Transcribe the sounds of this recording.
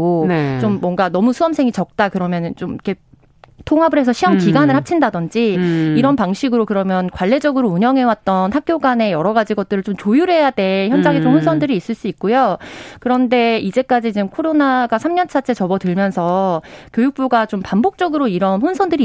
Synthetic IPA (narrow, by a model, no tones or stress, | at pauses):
ont͡ɕomːwʌŋɡanʌmusʰuʌmsʰe̞ŋit͡ɕʌk̚t͈akɯɾʌmjʌnnt͡ɕomikʰe̞ | tʰoŋɦabɯɾɦe̞sʰʌɕʰiʌmkiɡanɯɭhak̚t͡ɕʰindadʌnd͡ʑiiɾʌnpaŋɕʰiɡɯɾokɯɾʌmjʌnkwaɭːe̞d͡ʑʌɡɯɾouɲjʌŋɦe̞wat̚t͈ʌnhak̚k͈joɡane̞jʌɾʌɡad͡ʑiɡʌt̚t͈ɯɾɯɭt͡ɕomt͡ɕojuɾɦe̞jade̞çjʌnd͡ʑaŋɦet͡ɕomhunsʰʌndɯɾiːs͈ɯɭs͈uik̚k͈ojokɯɾʌnde̞id͡ʑe̞k͈ad͡ʑit͡ɕmkʰoɾonaɡasʰamɲʌnt͡ɕʰat͡ɕʰe̞t͡ɕʌbʌtɯɭmjʌnsʰʌkjojuk̚p͈uɡat͡ɕompambok̚t͡ɕ͈ʌɡɯɾoiɾʌnɸunsʰʌndɯɾi